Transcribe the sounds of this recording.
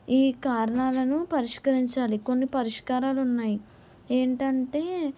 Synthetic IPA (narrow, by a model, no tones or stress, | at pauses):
iːkaːɾɐɳaːlɐnupɐɾiʂkɐɾiɲt͡ʃaːliko̞nːipɐɾiʂkaːɾaːlunːaːji | eːɳʈɐɳʈe̞ː